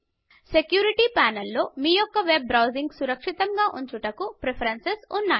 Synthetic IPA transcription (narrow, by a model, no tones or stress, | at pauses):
sekjuːɾiʈipaːnɐlːo̞ːmiːjɔkːɐʋe̞bːɾɐwziŋɡsuɾɐkʂit̪ɐŋɡaːʔuɲt͡ʃuʈɐkupɾepʰɐɾensesunːaːj